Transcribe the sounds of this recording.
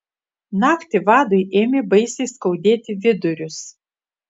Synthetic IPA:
nɑːkt̪ʲɪʋɑːd̪ojʔeːmʲebɐɪsʲeskɐʊd̪ʲeːt̪ʲɪʋʲɪd̪ʊɾʲʊs

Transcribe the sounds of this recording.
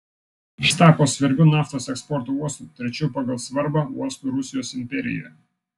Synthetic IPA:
ʃt̪ɑːkoːsʲʋʲɛɾʲbʲʊnɑːft̪oːsɛkspɔɾt̪oːuɔst̪uːˑt̪ʲɾʲɛt͡ʃʲupɑɡɐlˠsʋɐɾbɑːuɔst̪uˑɾʊsʲɪjoːsɪmʲpʲɛɾʲɪ̰jɛ̰j

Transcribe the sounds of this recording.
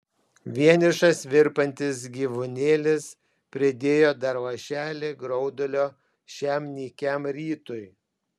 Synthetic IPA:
ʋʲiɛnʲɪʃɐsʋʲɪɾpɐnʲt̪ʲɪs̬ɡʲiːʋʊnʲeːlʲɪs | pʲɾʲɪd̪ʲeːjoːd̪ɐɾʋɐʃʲæːlʲeːɡɾɔʊd̪olʲoː | ʃʲæːmʲnʲiːkʲæmɾʲiːt̪ʊj

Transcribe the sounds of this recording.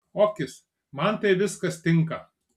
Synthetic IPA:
oːkʲɪs | mɐnt̪ɐɪʋʲɪskɐst̪ʲɪŋkɐ

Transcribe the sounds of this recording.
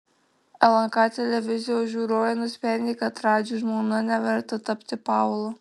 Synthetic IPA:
ɛlˠɐŋkɑt̪ʲɛlʲɛʋʲɪzʲɪjoʒʲuːɾoːjɛnʊsʲpʲɾʲɛnʲd̪ʲɪːkɐt̪ɾɑːd͡ʒʲuːʒmonɐnʲɛʋʲɛɾt̪ɐt̪ɐpʲt̪ʲɪpɑˑʊlˠo

